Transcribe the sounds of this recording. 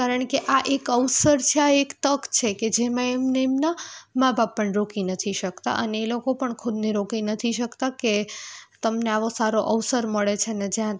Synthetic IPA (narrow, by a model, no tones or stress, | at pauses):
kaɾəɳkeʔaʔekəʋsəɾt͡ʃʰeaekt̪əkt͡ʃʰeked͡ʒemãemneːmnamãbʱabːəɳɾokinət̪ʰiʃəkt̪a̰ʔəneːlokopəɳkʰʊd̪niɾokinət̪ʰiʃəkt̪aket̪əmneaʋosaɾoʔəʋsəɾməɭet͡ʃʰened͡ʒjã